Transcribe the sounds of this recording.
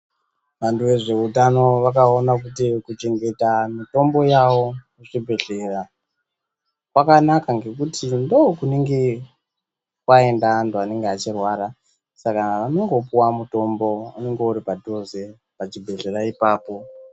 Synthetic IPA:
ʋantuʋe̞ʐe̞utano̞ʋakaonakutikut͡ʃe̞ŋɡe̞tamito̞mbo̞jawo̞muʐibʱe̞ɮe̞ra | kwakanakaŋɡe̞kutindo̞kuneŋɡe | kwae̞ndanduane̞ŋɡeat͡ʃirwara | sakaʋano̞ŋɡo̞puwamuto̞mbo̞a̰ne̞ŋɡeuɾipadʱo̞ze̞ | ʋat͡ʃibʱe̞ɮe̞ɾaipaːpo̞

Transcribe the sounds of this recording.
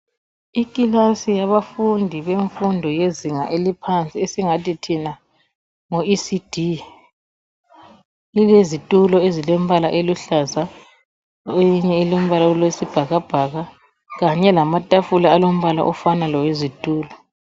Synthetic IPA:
ikʼilasijaβafundʱiβeɱfundʱɔjeziŋa̰ʔelipʰant͡sʼiesiŋatʼitʰina | ŋoisid̥ʱi | lilezitʼulɔezilem̩βalaʔeluɬaza | ojiɲɛelom̩βalaɔlwesib̥ʱaɣab̥ʱaɣa | ɣaɲɛlamatʼafulaːlom̩βala̰ʔɔfanalɔwezitʼuːlɔ

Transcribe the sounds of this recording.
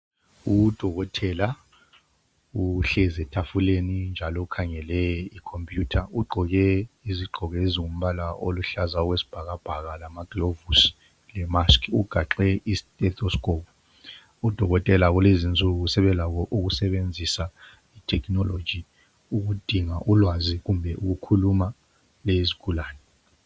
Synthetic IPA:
ud̥ʱɔɣɔtʰɛla | uɬɛzɛtʰafulenind͡ʒʱalɔukʰaŋɛlɛikʰompʼjutʰauɡ͡ǃʱɔɣɛiziɡ͡ǃʱɔɣeziŋum̩βalaʔoluɬazaɔwesi̥b̥ʱaɣab̥ʱaɣalamaɡ̥iovusi̥ | lɛmaskʰuɡ̥ʱaǁɛʔistʼɛtʰɔskʼop̚ʰu | ud̥ʱɔɣɔtʼɛlaɣulezint͡sʼuɣusɛβɛlaɣɔʔuɣusɛβend͡zʱisa | itʰɛkʰnɔlo̥d͡ʒi | uɣud̥ʱiŋaʔulwaziɣumbʱɛʔuɣukʰuluma | lɛizikʰulaːnɛ

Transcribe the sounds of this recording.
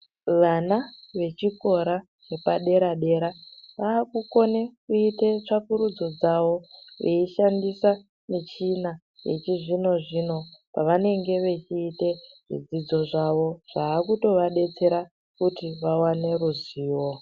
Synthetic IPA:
ʋanaʋe̞t͡ʃiko̞ɾa | ne̞paɗe̞ɾaɗe̞ɾaʋaːkuko̞ne̞kuite̞t͡ʂakuɾud͡zo̞d͡zaʋo̞ʋeiʃandisa | mit͡ʃina | jḛt͡ʃiʐino̞ʐino̞paʋane̞ŋɡe̞ʋe̞t͡ʃiːte̞ʐḭd͡zid͡zo̞ʐaʋo̞ʐ̥aːkuto̞ʋaɗe̞t͡se̞ɾa | kutiʋawane̞ɾuziːwo

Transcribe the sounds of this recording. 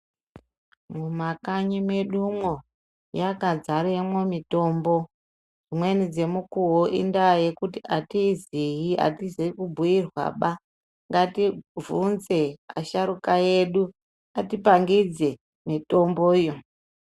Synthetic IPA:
mumakaɲimwe̞ɗumwo̞ | jakad͡zaɾemwo̞mito̞ːmbo̞ | d͡zimwe̞nid͡ze̞mukuwoʔḭndaje̞kutiatiziɦia̰tizekubʱujirwa̰ɓa | ŋɡativʱunze̞a̰ʃaɾukaje̞ɗu | atipaŋɡid͡ze̞ | mito̞mboijo

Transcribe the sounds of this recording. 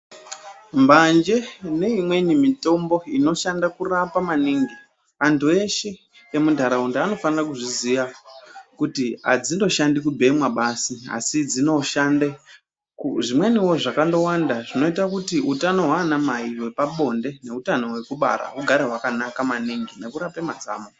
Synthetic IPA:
mband͡ʒe̞ne̞imwe̞nimito̞mbo̞ino̞ʃandakurapamaniːŋɡi | ʋantʰue̞ʃe̞ | emudʱaɾaundeano̞fanirakuʐiziʋakutia̰d͡zindo̞ʃandikubʱe̞mwaɓasia̰sid͡zino̞ʃande | kʐimwe̞niwo̞ʐakando̞wandaʐino̞itakutiutano̞ɦwaːnamaiwepaɓo̞nde̞ne̞utano̞we̞kuɓa̰ɾa̰uɡʱaɾeɦwakanakamaniŋɡine̞kuɾapemad͡za̰ːmo

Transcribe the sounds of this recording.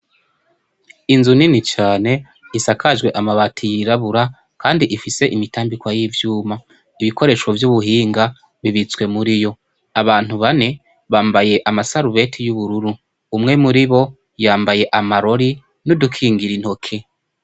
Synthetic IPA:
inzuninit͡ʃaːne̞ | isakʰaʒɡwe̞ʔamaβatʰijiɾaβuɾa | kaːndiʔifise̞ʔimitaːmbikwajivjuːma | iβiko̞ɾe̞ːʃwo̞vjuβuɦiːŋɡa | βiβit͡swe̞muɾijo̞ | aβaːn̥uβane̞ | βaːmbaje̞ʔamasaɾuβe̞tʰijuβuɾuɾu | umŋe̞muɾiβo̞ | jaːmbaje̞ʔamaɾo̞ɾi | nudukʰiːŋɡiɾin̥ho̞kʰe̞

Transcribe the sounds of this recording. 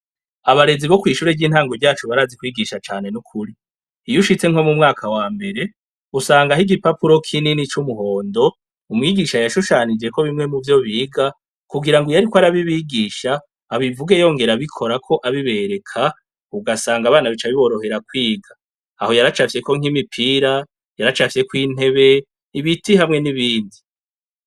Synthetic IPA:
aβaɾe̞ziβo̞kwiːʃuːɾeɟiːn̥haːŋɡovɟaːt͡ʃuβaɾaːzikwiːɡiʃat͡ʃaːne̞nukʰuɾi | ijuʃit͡se̞ŋho̞mumŋaːkʰawaːmbe̞ɾe̞ | usaːŋɡaɦiɡipapuɾo̞kʰininit͡ʃumuɦo̞ːndo̞ | umŋiːɡiʃajaʃuʃaːnid͡ʒe̞ko̞βimŋe̞muvjo̞βiːɡa | kuɡiɾaŋɡojaɾikwaɾaβiβiːɡiːʃaː | βivuɡejo̞ːŋɡe̞ɾaβikʰo̞ɾakʰo̞ʔaβiβe̞ɾe̞kʰa | uɡasaːŋɡaβaːnaβit͡ʃaβiβo̞ɾo̞he̞ɾakwiːɡa̰ː | ho̞jaɾat͡ʃafje̞ko̞ŋ̥imipʰiɾa | jaɾat͡ʃafje̞kwiːn̥e̞βe̞ | iβitiɦamŋe̞niβiːndi

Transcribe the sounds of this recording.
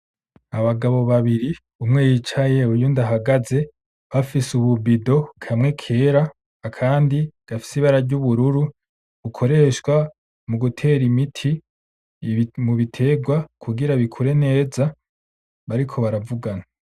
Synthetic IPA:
aβaɡaβo̞βaβiɾi | umŋeːjit͡ʃaje̞ujundaɦaɡaze̞ | βafisuβubido̞kʰamŋe̞kʰe̞ɾaː | kʰaːndiɡ̥afi̥siβaɾaɾɟuβuɾuɾu | ɡ̥ukʰo̞ɾe̞ʃwa | muɡutʰe̞ːɾimitʰi | muβitʰe̞ɡwakʰuɡiɾaβikʰuɾe̞ne̞ːza | βaɾikʰo̞βaɾavuɡana

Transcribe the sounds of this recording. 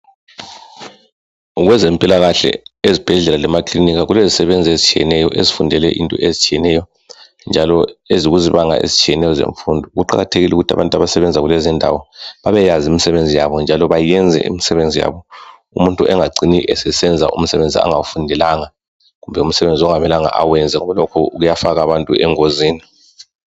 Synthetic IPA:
uɣwɛzɛmpʼilaɣaɬɛ̰ezib̥ʱɛɮɛlalɛmakʰʼliniɣaɣulezisɛβend͡zʱiezit͡ʃʰʼijɛ̰nɛjɔʔezifundʱɛlɛʔḭntʼɔ̰ʔezit͡ʃʰʼijɛnɛjɔ | nd͡ʒʱalɔeziɣuziβaŋa̰ʔḛzit͡ʃʰʼijɛnɛjɔzḛɱfundʱɔɣuǃa̰ɣa̰tʰeɣilɛuɣutʰa̰βantʼaβasɛβɛnd͡zʱaɣulɛzindʱa̰wɔβaβɛjazimisɛβend͡zʱijaβɔnd͡ʒʱalɔβajɛnd͡zʱɛ̰ʔḭmisɛβend͡zʱija̰βɔ | umuntʼuʔɛŋaɡ͡ǀiniʔɛsɛsɛnd͡zʱa̰ʔṵm̩sɛβend͡zʱia̰ŋawufundʱɛlaŋa | ɣumbʱɛum̩sɛβend͡zʱiɔŋamɛlaŋa̰ʔa̰wɛnd͡zʱɛɔβɛlokʰɔ̰uɣujafaɣaβantʼuɛŋoziːni

